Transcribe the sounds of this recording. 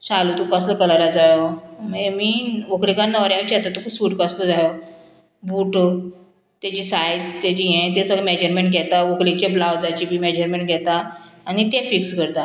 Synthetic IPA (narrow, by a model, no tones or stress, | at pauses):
salut̪ukasləpəlaɾad͡zajoməemiːʋoklikanːəɾjat͡ɕat̪at̪okusuːʈkasləd͡zajo | buʈo | t̪at͡ɕiːsajd͡zt̪ad͡ʑiɦɛ̃t̪̬esəɡmɛd͡ʑəɾmẽɳʈ̚ɡʱɛt̪aʋoklit͡ɕablawd͡zat͡ɕibʱiːmɛd͡ʑəɾmẽɳʈɡʱɛt̪aːnit̪ɛ̃fikskəɾt̪a